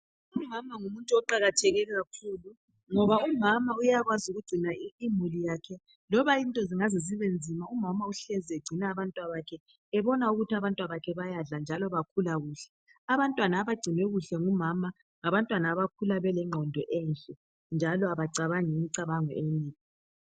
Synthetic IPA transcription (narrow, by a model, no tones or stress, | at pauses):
umamaŋumuntʼuɔǃaɣatʰɛɣɛlɛɣakʰuːlu | ŋɔβaumamaujaɣwazuɣuɡ͡ǀʱinaimulijaːkʰɛ | lɔβaintʼɔziŋazisɛβend͡zʱimaumamauɬɛziɛɡ͡ǀʱinaːβantʼwaβakʰɛ | ɛβɔnauɣutʰiaβantʼwaβakʰɛβajaɮand͡ʒʱalɔβakʰulaɣuːɬɛ̥ | aβantʼwanaːβaɡ͡ǀʱinwɛɣuɬɛŋumama | ŋaβantʼwanaːβakʰulaβɛlɛŋ͡ǃʱɔndʱɔʔɛnɬʼɛ | nd͡ʒʱalɔaβaǀaβaŋimiǀaβaŋɔ̰ʔeniːkʰɔ